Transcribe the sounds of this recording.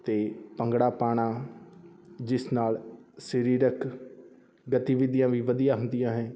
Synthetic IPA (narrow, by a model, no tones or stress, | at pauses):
t̪eːpə̃ŋɡɽaːpaːɽ̃aː | d͡ʒɪsnaːlsəɾiːɾəkʰ | ɡət̪iːʋɪd̪ijãːʋiːʋəd̪ijãːɦʊ̃nd̪ɪjãːɦɛ̃ː